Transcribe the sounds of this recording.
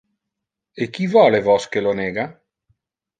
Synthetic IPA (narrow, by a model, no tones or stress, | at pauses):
ekːivɔːlevɔskeloneːɡa